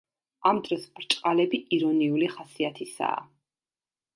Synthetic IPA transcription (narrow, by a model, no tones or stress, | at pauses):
amd̪ɾɔspʼɾt͡ʃʼqʼalɛbiʔiɾɔniuliχasiat̪ʰisa̰ː